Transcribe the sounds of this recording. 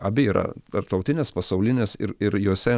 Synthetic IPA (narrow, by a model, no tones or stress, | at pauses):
ɐbʲɪiːɾɐ̰t̪ɐrp̚t̪ɐʊt̪ʲɪnʲespɐsɐʊlʲɪnʲeːsɪ̰ɾɪɾjuɔsʲɛ